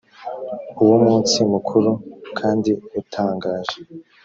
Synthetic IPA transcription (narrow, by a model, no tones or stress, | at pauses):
uwumŋuːnt͡simukʰuɾukʰaːndiutʰaːŋɡaːʒe